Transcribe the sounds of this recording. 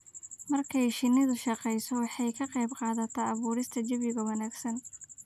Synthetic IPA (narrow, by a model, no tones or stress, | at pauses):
mɐrkʰɛjʃɪnːɪðʊʃɑqɛjsɔwɑħɑjkʰɐqɑjbqɑːðɐt̪ʰɐɑβuːɾɪst̪ʰɐt͡ʃɐβɪɣɐwɑnaːɡsɐn